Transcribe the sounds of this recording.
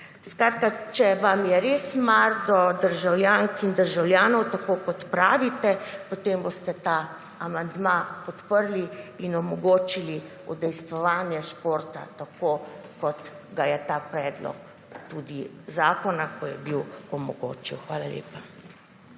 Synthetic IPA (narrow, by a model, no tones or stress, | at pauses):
skɾat̪kat͡ʃɛʋamjɛɾeːsmaɾd̪ɔd̪əɾʒawljaŋkind̪əɾʒawljaːnɔwt̪akokɔt̪pɾaːʋit̪ɛpot̪embost̪ɛt̪aː | mand̪mapɔt̪pəɾliinɔmɔɡoːt͡ʃili | ṵd̪ɛjst̪ʋɔʋaːnjɛʃpoːɾt̪a̰t̪akokɔt̪ | ɡajɛt̪aːpɾɛːd̪lɔ̰k | t̪ud̪i | zaːkɔnakɔjɛbiwɔmɔɡo̰ːt͡ʃiwxʋaːlalʲḛːpa